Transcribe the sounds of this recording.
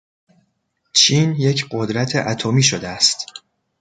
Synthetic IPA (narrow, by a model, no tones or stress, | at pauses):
t͡ʃʰiːnje̞cʰɢod̪ɾæt̪ʰeʔæt̪ʰomiːʃod̪eæst̪